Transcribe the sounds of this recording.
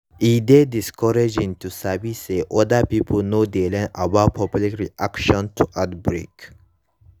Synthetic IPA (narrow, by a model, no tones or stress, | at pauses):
id̪ediskɔɾed͡ʒĩntusabiseʔɔd̪apipʰulnod̪elẽnʔabapʰɔplikɾiʔakʃɔ̃ntʰuʔad̪bɾḛk